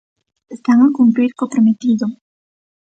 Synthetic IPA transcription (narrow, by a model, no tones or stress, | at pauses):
est̪aŋakumpɾiɾkopɾomet̪id̪ʊ